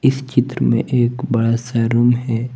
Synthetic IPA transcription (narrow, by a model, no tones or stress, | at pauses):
ɪst͡ʃɪt̪ɾəmḛ̃ʔeːkbɐɽasaɾumɦɛː